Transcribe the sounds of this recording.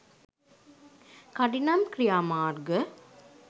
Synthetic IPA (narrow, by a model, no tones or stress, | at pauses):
kɐɖinɐmkɾijaːmaːɾɡə